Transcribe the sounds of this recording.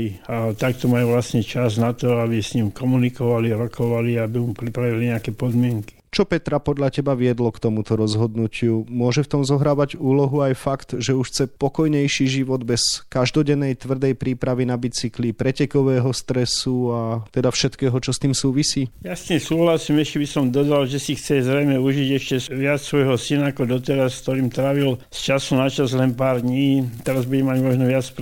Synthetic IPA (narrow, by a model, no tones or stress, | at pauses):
iat̪ak̚t̪ɔmajuʋlasɲɛt͡ʃaznat̪ɔabisɲimkɔmunikɔʋaliɾɔkɔʋaliabiumpɾipɾaʋiliɲɛakɛpɔd̪mɪɛŋki̥t͡ʃɔpɛt̪ɾapɔd̪ʎacɛbaʋɪɛd̪lɔkt̪ɔmut̪ɔɾɔzɦɔd̪nucɪumʊɔʒɛft̪ɔmzɔɦɾaːʋaɟuːlɔɦuajfakt̪ʒɛuʃxt͡sɛpɔkɔjɲɛjʃiʒiʋɔd̪bɛskaʒd̪ɔɟɛnːɛjt̪ʋr̩d̪ɛjpɾiːpɾaʋinabit͡siklipɾɛcɛkɔʋɛːɦɔst̪ɾɛsuat̪ɛd̪afʃɛt̪kɛːɦɔt͡ʃɔst̪iːmsuːʋisiːjast̪imsuːɦlasiːmɛʃcɛbisɔmd̪ɔd̪alʒɛsixt͡sɛzɾɛjmɛuʒiɟɛʃcɛʋɪat͡ssʋɔjɦɔsinaːkɔd̪ɔt̪ɛɾaskt̪ɔɾiːmt̪ɾaʋilst͡ʃasunat͡ʃazlɛnpaːɾd̪ɲiːt̪ɛɾazbuɟɛmaɟmɔʒnɔʋɪat͡s